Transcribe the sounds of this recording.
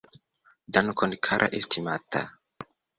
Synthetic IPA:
dankʰonkʰaɾʔa̰ʔestʰimat̪a

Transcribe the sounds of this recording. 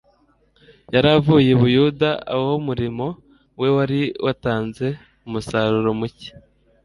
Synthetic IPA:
jaɾavuːje̞βujudaa̰womuɾimo̞ | we̞waɾiwʔataːnze̞ | umusaɾuɾo̞muci̥

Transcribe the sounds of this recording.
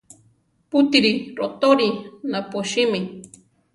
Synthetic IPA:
put̪iɾiɾot̪oɾinapoʃimi

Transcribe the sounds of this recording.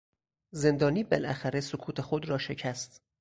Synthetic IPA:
ze̞nd̪ɒːniːbelʔæ̰xæɾesokʰuːt̪ʰe̞xod̪ɾɒːʃe̞cʰæst̪

